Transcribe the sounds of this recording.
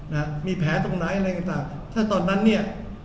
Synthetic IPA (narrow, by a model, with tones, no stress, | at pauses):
na˦ka˦˥miː˧pʰɛː˩˦t̪o˧ŋnaː˩˦jʔa˧ɾa˧jka˧nt̪aː˨˩ŋ | t̪ʰaː˥˩t̪ɔː˧nːa˦˥nːi˥˩ɐ